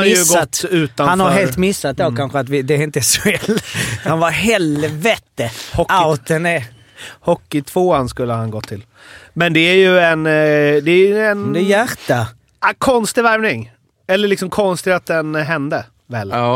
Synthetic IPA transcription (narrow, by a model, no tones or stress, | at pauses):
ajɵɡɔat̪ʉ̟ːt̪anhanfhaɾɦeːlt̪mɪsːat̪̚d̪oːkkʰanɧəat̪vɪd̪ɛæɾɪnt̪əsɔɛlhanvaɾɦɛlvɛt̪əhɔaʊt̪ənɛ | hɔkːɪt̪ʰv̥oːanskɵlːəhanɡɔt̪ʰːɪl | mɛnd̪ɛæɾjɵɛnd̪ɛːɾjɛnd̪ɛjæɾt̪ːa | kʰɔnst̪ɪvæɾvnɪŋ | ɛlːəɭɪksɔmkʰɔnst̪ɪat̪̚d̪ɛnɦɛnd̪ə | vɛl